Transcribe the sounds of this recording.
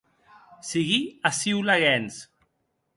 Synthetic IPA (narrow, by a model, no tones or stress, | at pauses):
siɣiasiwlaɣɛns